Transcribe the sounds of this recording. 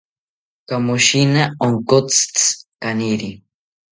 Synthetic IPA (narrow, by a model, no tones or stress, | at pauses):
kamoʃinaoŋkot͡st͡skaniɾi